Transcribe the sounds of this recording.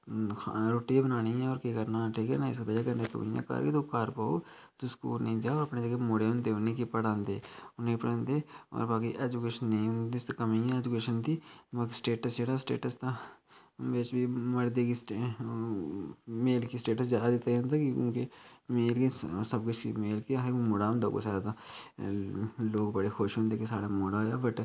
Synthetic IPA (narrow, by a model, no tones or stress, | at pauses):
ɾoːʈiebənaːniɦɛ̃ɔːɾkekəɾnaʈʰiːkɛ̰naɪskebəd͡ʒakɐɾnet̪ṵːja̰ka̰ːɾket̪okaːɾpaːo | t̪ʊsko̰ʊnẽd͡ʒaːɔːɾɐpnẽd͡ʒaːkemoːɽeõnd̪eːnekipəɽãːnd̪eːʊnẽpəɽə̃nd̪eɔ̰ːɾbaːkiʔɛːd͡ʒʊkeːʃənːɛĩʊnd̪ɪst̪kɐmiɦɛ̃ɛːd͡ʒʊkeːʃənt̪iːbaːkisʈeːʈəsd͡ʒeɽasʈḛːʈəst̪a | eːt͡ʃbimɐɽd̪ekis | meːlkisʈeːʈəsd͡ʒaːd̪ad̪ɪt̪ãnt̪akiʊ̰nkemeːlkesɐb̚kɪt͡ʃʰimeːlkijaɦemoːɽaːʊ̃nd̪o̰ko̰saːd̪a | loːɡbɐɽexʰoːʃõnd̪eːkisa̰ːɽamoːɽaojabɐʈ